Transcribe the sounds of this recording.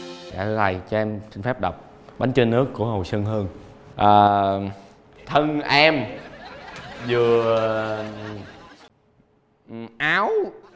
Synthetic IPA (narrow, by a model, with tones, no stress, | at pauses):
a̰ː˧˩ɨ˨˦la̰˨˩jt͡ɕɔ˧ɛ˧msï˧ŋ̟fɛ˦˥p̚ɗa˨˩wk͡p̚ | ɓa˨˦ŋ̟t͡ɕə˧nːɨ˦˥əkːu˧˩əɦo˨˩jsə˧nɦəː˧n | ʔaː˨˩ | t̪ʰə˧ŋʔɛ˧m | zɨ˨˩ə˨˩ | ʔaː˨˦w